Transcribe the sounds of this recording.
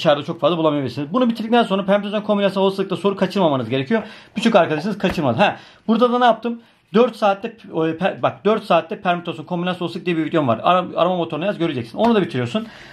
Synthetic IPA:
ʃaɾlˠat͡ʃʰo̞kfazˠablˠamijabiiɾsinizbunubit̪ʰiɾd̪ik̚ʲt̪ænso̞nɾapʰæɾmit̪ʰazonkʰo̞mbinasosaɯkt̪ˠaso̞ɾukʰat͡ʃʰɯɾmamanɯzɟeɾecʰijob̥yt͡ʃʰykaɾkad̪aʃ̬ɯnɯz̥kʰat͡ʃʰɯɾmad̪ɯɦɛ | buɾd̪ad̪anaap̚t̪ʰɯm | d̪øɾt̪saːt̪ːʲɛpʰbak̚d̪øɾt̪saːt̪ʰlːʲɛpʰæɾmit̪ʰosunkʰo̞mbinasolˠsɯk̚d̪ijɛbiɾvid̪jo̞nva̰ɾaa̰ɾamamot̪ʰoɾnajzɟø̞ɾyd͡ʒɛcsino̞nud̪abit̪ʰiɾijo̞ɾsun

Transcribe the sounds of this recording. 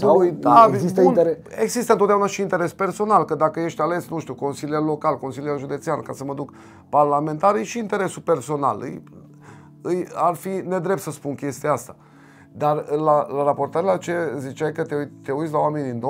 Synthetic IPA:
nj̪aist̪iun | eɡzist̪ənot̪d̪ʲaunaʃiːnt̪e̞ɾe̞spe̞rso̞nalkəd̪akəje̞ʃt̪ʲale̞snuʃt̪iuko̞nsilialo̞kalko̞nsiliaʒud̪e̞t̪sianəkasəməd̪uk | parlame̞nt̪aɾijʃiːnt̪e̞ɾe̞supe̞rso̞na̰lɨ̰j | ɨjarfine̞d̪ɾep̚t̪səspunkʲe̞st̪iaast̪a | d̪arlalaɾapo̞rt̪aɾelat͡ʃezit͡ʃajkət̪eut̪eujt̪s̬ʲlawame̞niino

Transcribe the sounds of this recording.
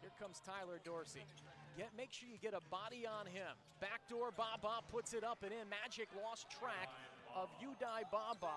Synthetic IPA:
hiɹkʰʌ̃mz̥tʰaɪlˠə˞dɔɹsḭɡɛt̚meɪkʃʊɹjɨɡɛɾəbɑɾiə̃nɪ̃m | b̥æk̚d̥ɔɹbɑbɑpʰʊtsɨɾʌpɨ̃ñɪ̃nmæd͡ʒɨklɔstʰɹ̥ækʌvjɨdaɪbɑbɑ

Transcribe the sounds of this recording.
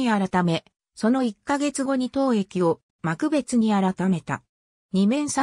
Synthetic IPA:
iaɾat̪ame̞ | so̞no̞ikːaɡe̞t͡sɨɡo̞ɲ̟it̪o̞ːe̞kʲio̞ | makɯ̟be̞t͡sɨɲ̟iaɾat̪ame̞t̪a̰ | ɲ̟imẽ̞ɰ̃sa

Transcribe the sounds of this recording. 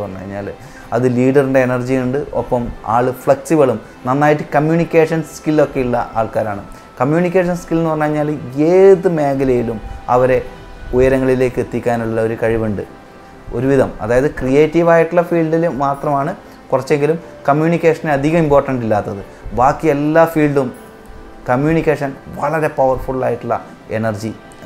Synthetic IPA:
pɐnːṵɐ̰ɲːa̰ːl | ɐðɨliːɖɐrɨɳɖe̞ːnɐrd͡ʑijuɳɖɨopːɐma̰ːɭɨfɭeksibɐɭum | nɐnːaːjiʈːɨkɐmjuːnikʲːeːʂɐnskilːo̞kːe̞uɭːɐ̰ʔa̰ːɭkaːɾa̰ːɳɨ̰ | kɐmjuːnikʲːeːʂ̬ɐnskilːnːɨpɐrɐnːɐɲːaːleːðɨme̞ːɡɐlɐjilumɐ̰ʋɐɾe̞ | ujɐɾɐŋːɐɭile̞ːkːɨet̪ːikʲːaːnuɭːulːɐo̞ɾukɐɻiʋuɳɖɨ | o̞̰ɾuʋiðɐmɐ̰ðaːjɐðɨkrije̞ːtːiʋaːjiʈːuɭːɐfiːɭɖilmaːt̪rɐmaːɳɨ | kurɐt͡ɕːe̞ŋɡilum | kɐmjuːnikʲːeːʂɐneɐd̪ʱiɣɐmimpoːrʈɐɳɖilːaːt̪ːɐðɨ | baːkːijelːaːfiːɭɖum | kɐmjuːnikʲːeːʂɐnʋɐɭɐɾe̞pɐʋɐrfuɭaːjiʈːuɭːɐ̰ | e̞̰nɐrd͡ʑi

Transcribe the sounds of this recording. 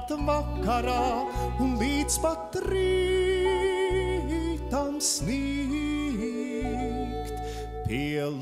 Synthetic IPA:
t̪makːaɾaːunlˠiːd̪spat̪ɾiː | it̪amsniː | kt̪ | p̪iɛl

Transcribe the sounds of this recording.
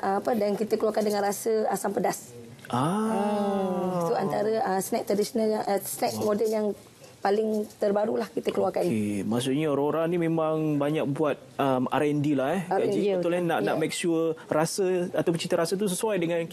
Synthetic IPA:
ʔapədankit̪əkəluakandəŋãnrasəasampədas | ʔaə | suant̪aɾəəsnɛk̚t̪ɾadisonaljaʔəsnɛk̚modɛljaŋ | palɪŋt̪ərbaɾulahkit̪əkəluakanemas̬uʔɲaɾoɾanimẽmãŋbaɲak̚buat̪̚əma̰ɾɛndilahɛɡad͡ʒit̪ulanaʔaʔmɛk̚suərasəat̪awpət͡ʃit̪əɾasət̪̬us̬əsuwajdəŋãn

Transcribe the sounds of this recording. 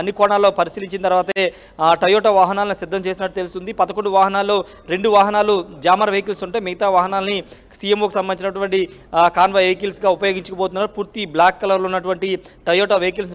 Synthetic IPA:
ɐnːikɔːɳaːlːoːpɐɾisiːliɲt͡ʃint̪ɐɾʋaːt̪ɐe | ʈɐjɔʈaʋaːɦɐnaːlɐnisid̪ːɐmt͡ʃeːs̬inɐʈːut̪elust̪und̪ipɐd̪ɐkoɳɖuʋaːɦɐnaːlːo̞ː | ɾe̞ɳɖuʋaːɦɐnaːlud͡ʒaːmɐɾʋejkilsuɳʈe̞ːmiɡɐt̪aːʋaːɦɐnaːlɐni | sijemoːkusɐmbɐnit͡ʃinɐʈuʋɐɳʈikaːnʋaejkilsɡaːupɐjoːɡiɲt͡ʃɐkɐboːt̪̬unːaːɾupuːɾt̪iblaːkːɐlɐɾlunːɐʈuʋɐɳʈi | ʈɐjɔːʈaːʋejkils̬

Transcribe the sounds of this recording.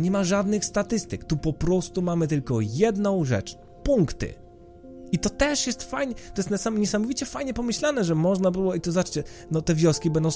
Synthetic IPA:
ɲɛmaʐad̪nɘxst̪at̪ɘst̪ɘkt̪upɔpɾɔst̪umamɘt̪ɘlkɔjɛd̪nɔ̃w̃ʐɛ̰t͡ʂ | puŋkt̪ɨ̰ | it̪ɔt̪ɛʂjɛst̪fajɲɛt̪ɔjɛst̪asaɲɛsamɔvʲit͡ɕɛfajɲɛpɔmɘɕlanɛʐɛmɔʐnabɘwɔit̪ɔzat͡ʂt͡ɕɛnɔt̪ɛvʲjɔskʲibɛnd̪ɔ̃w̃

